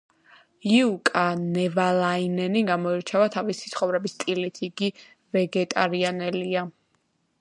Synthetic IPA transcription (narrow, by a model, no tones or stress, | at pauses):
iukʼanɛvalˠainɛniɡamɔiɾt͡ʃʰavat̪ʰavisi̥t̪sʰχɔvɾɛbist̪ʼilit̪ʰiɡi | vɛɡɛt̪ʼaɾianɛlia